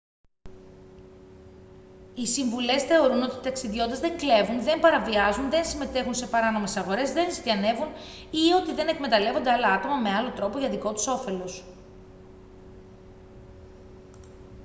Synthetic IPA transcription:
isiɱvule̞sθe̞o̞ɾuno̞t̪it̪ɐksiðʝo̞nd̪ezðe̞ŋkle̞vunðe̞mpɐɾɐviɐzunðe̞nsime̞t̪e̞xunse̞pɐɾɐno̞me̞sɐɣo̞ɾe̞zðe̞nsɐne̞vun | io̞t̪iðe̞ne̞kme̞t̪ɐle̞vo̞nd̪e̞alɐɐt̪o̞mɐme̞ɐlo̞t̪ɾo̞po̞ʝɐðiko̞t̪u̥so̞fe̞lo̞s

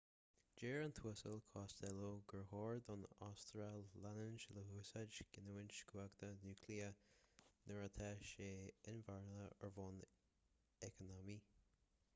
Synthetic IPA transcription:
d͡ʒeːɹənt̪ʰuəsəlkʰɔːst̪ɛloɡəɹhɔːɹd̪ɔna̰st̪ɾalːanənʃələɦuːsad͡ʒɡ̥ɪnuːɪnt͡ʃɡ̥waɡt̪ənuːkʰliə | nəɹat̪ʰɛʃeːɪnvaɹnəəɹvɔn | ɛkənɔmi

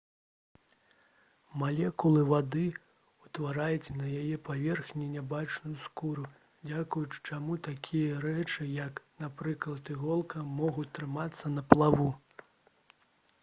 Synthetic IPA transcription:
malʲɛkulˠɨvad̪ɨ | ut̪vaɾajut͡sʲnɐjajɛpavʲɛrxnʲinʲabat͡ʂnujuskuɾu | d͡zʲakujut͡ʂt͡ʂamut̪akʲʰijɐɾɛt͡ʂɨjɐknapɾɨklˠɐt̪iɣɔlˠkɐmɔɣut͡sʲt̪ːɾɨmat̪sːɐnɐplˠavu

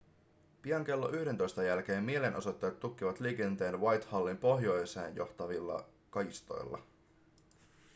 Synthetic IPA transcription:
piɑŋk̟e̞lːo̞ʔyhde̞nt̪o̞jst̪ɑjælk̟e̞ːmːie̞le̞nʔo̞so̞t̪ːejt̪ːukːiʋɑt̪liːk̟e̞nt̪e̞ːnʋɑjt̪hɑlːimpo̞ɦjo̞jse̞̰ːnjo̞̰ht̪ɑʋilːɑ̰ | kɑist̪o̞̰jlːɑ̰

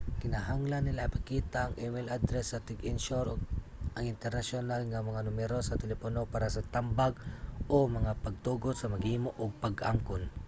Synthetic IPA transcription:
kɪnaɦaŋlanːɪlaʔipakiːt̪aʔɐŋʔɛmɪlʔad̪ɾɛsːɐt̪ɪɡɪnʃoɾ | ʔaŋɪnt̪ɛɾnasjonalŋamɐŋanʊmɛɾosɐt̪ɛlɛponopaːɾasɐt̪ambaɡʔomɐŋapɐɡ̚t̪uːɡod̪sɐmɐɡhiːmoʔoɡ̚paɡa̰mkʊn

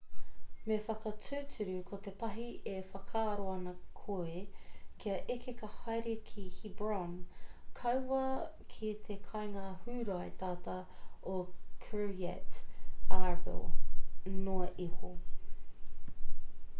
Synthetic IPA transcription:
mefɐkɐt͡sʉːt͡sʉɾʉkʰot̪epɐɦiefɐkʰaːɾoɐnɐkʰoekʰiɐʔekekɐhɐjɾikʰihibɹankʰɐwwɐkʰit̪ʰekʰɐjŋaːhʉːɾaet̪aːt̪ɐokʰəiɛ̰taɹvɪ̰lˠ | noɐʔiho̰

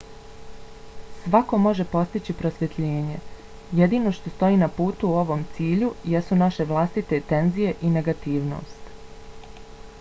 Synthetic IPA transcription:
sʋako̞mo̞ʒe̞po̞st̪it͡ɕipɾo̞sʋje̞t̪ʎeːɲe̞ | jed̪iːno̞ʃt̪o̞st̪o̞iːnapuːt̪uo̞ʋo̞ːmt̪siːʎujesunaʃe̞ʋlˠast̪it̪et̪e̞nzije̞ʔine̞ɡat̪iːʋno̰ːst̪

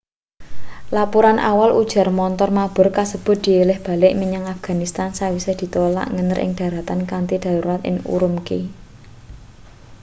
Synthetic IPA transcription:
lapuɾanʔa̰walʔud̥ʒ̥a̤rmɔnt̪ɔrmab̥ʊ̤rkasəb̥ʊ̤t̪̚d̪̥i̤elɪhb̥a̤lɪʔmiɲaŋafɡ̥a̤nist̪ansawised̪̥i̤t̪ola̰ʔŋənəɾʔɪ̰ŋd̪̥ä̤ɾat̪ankant̪id̪̥a̤ɾuɾat̪ɪ̰ŋṵɾʊmke

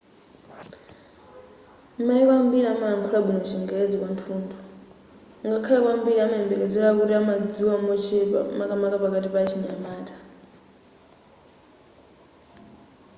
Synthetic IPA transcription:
maiwambiɾiamaaŋ̩kʰulabunɔt͡ʃʰiŋɡɛed͡zikwantʰuːndʰɔ | ŋɡakʰalɛkwambiɾiamaɛmbɛkɛd͡zɛɺakuɾiamad͡ziwamɔt͡ʃʰɛmakʼamakapakatipat͡ʃʰiɲamaːtʰʼḁ

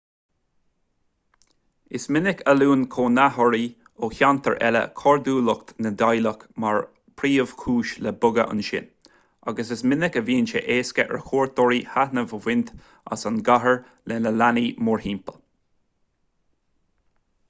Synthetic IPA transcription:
ɪsmɪnɪkəluːnkʰoːnahɔɹi | oːçant̪ʰəɹʔɛ̰lə̰kʰɔɹd̪uːlʊkt̪nəd̪ajləkmaɹ | pʰɾiːəv̥kʰuːʃlɛbʊɡə̰ʔʊ̰nʃɪ̰n | aɡəsɪsmɪnɪkəviːnʃə̰ʔeːskəʔɹəkʰoːɹt̪ɔɹihahnəvəwɪnt̪ | a̰sanɡaɦəɹ | lɛnəlanimʊɹhiːmpəl

